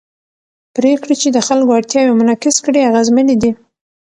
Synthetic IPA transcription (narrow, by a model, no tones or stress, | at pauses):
pɾekɽit͡ʃed̪əxalkoaɽt̪jɑwemʊnɑkɪskɽiaɣazmənid̪i